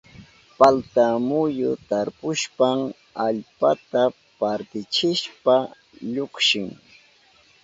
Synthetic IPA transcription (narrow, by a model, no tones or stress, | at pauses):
palt̪amʊjʊt̪aɾpʊʃpam | aʎpat̪a | paɾt̪ɪt͡ʃɪʃpa | ʎʊkʃɪŋ